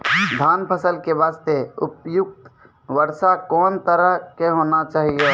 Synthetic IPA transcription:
d̪ʱaːnpʰəsəlkeʋaːst̪eʊpjʊk̚t̪ | ʋəɾsakɔːnt̪əɾəɦkeɦoːnat͡ʃaːɦio

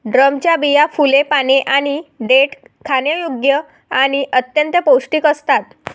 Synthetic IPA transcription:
ɖɾəmt͡ɕjabijafulepaneʔaɽ̃iɖeʈ | kʰanjəjoɡjə | aɽ̃iʔət̪jənt̪əpowsʈiːkəst̪at̪

